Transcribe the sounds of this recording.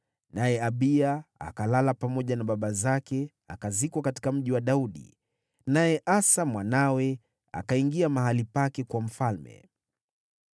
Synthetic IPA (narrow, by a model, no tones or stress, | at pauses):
najɛaɓiaa̰kalalapamɔʄanaɓaɓazakɛ | a̰kazikwakati̥kam̩ʄiwaɗauɗḭ | najɛʔasamwanawɛ | a̰kaiŋɡiamaɦalipakɛkwam̩falmɛ̰